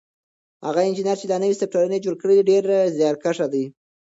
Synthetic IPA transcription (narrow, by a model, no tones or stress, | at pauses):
ha̰ɣaɪnd͡ʒinjɑɾt͡ʃed̪ɑnəwisɪk̚ʈaɾuned͡ʒoɽkəɽed̪iɖeɾzjɑɾkaʂad̪əj